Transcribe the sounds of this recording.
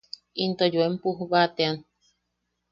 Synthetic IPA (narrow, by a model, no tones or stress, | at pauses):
int̪ojuempuɦβat̪ean